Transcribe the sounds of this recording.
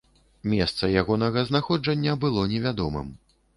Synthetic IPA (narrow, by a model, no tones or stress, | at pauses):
mʲɛst̪sɐjaɣɔnɐɣɐznaxɔd͡ʐɐnʲːɐbɨlˠɔnʲɛvʲad̪ɔmɨ̰m